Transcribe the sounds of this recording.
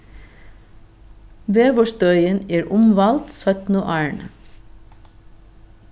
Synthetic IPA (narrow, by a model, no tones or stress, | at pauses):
ʋeːʋɔʃt̪œʏəneːɾʔʊmʋɑlt̪sœt̪n̩oʔæːɳ